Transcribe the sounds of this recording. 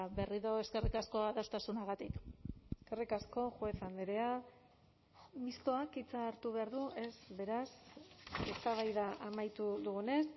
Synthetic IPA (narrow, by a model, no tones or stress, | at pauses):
be̞riðo̞e̞ske̞rikasko̞aðost̪asunaɣat̪ikskerikasko̞ʝweθand̪eɾea | mist̪o̞akit͡saɾt̪uβe̞aɾðuʔe̞zβe̞ɾas | e̞st̪aβ̞ajðaʔamajt̪uðuɣune̞s